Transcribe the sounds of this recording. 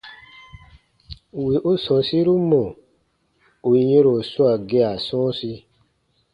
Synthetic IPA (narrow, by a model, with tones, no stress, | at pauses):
we˨ʔo˦sɔ̃˨si˦ɾu˦mõ˨ | o˨i˨˧jẽ˦ɾo˨su˦a˨ɡe˧a˨sɔ̃˦si˧˦